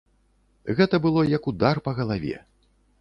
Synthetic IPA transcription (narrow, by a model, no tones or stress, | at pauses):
ɣɛt̪ɐbɨlˠɔjɐkud̪arpɐɣɐlˠavʲɛ̰